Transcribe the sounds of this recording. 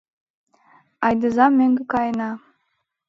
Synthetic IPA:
ɑjd̪ɤ̆zɑmːeŋɡʲekɑjnɑ

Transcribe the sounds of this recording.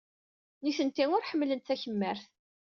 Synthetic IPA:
niθənt̪iŋʊɾħəmːlənt̪θæçəmːəɾθ

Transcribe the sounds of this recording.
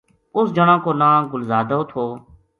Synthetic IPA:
ʊsd͡ʒəɳãːkoːnãːɡʊlzaːd̪ooːt̪ʰoː

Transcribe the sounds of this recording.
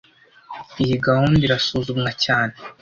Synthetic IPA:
ijiɡahuːndbiɾasuːzumŋacaːne

